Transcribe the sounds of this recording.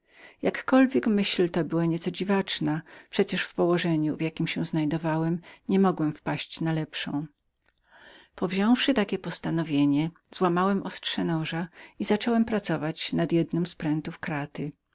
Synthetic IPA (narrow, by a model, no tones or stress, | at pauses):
jakːɔlvʲjɛkmɘɕlt̪ɔbɘwaɲɛt̪sɔd͡ʑivat͡ʂnapʂɛt͡ɕɛʂfpɔwɔʐɛɲuvjakʲimɕɛw̃znajd̪ɔvawɛmɲɛmɔɡwɛmfpaɕt͡ɕnalɛpʂɔ̰̃w̃ | pɔvʑɔ̃w̃fʂɘt̪akʲɛpɔst̪anɔvʲjeɲɛ | z̥wamawɛmʔɔstʂɛnɔʐaizat͡ʂɔwɛmpɾat̪sɔvat͡ɕnad̪jɛd̪nɔmspɾɛnt̪ufkɾat̪ɘ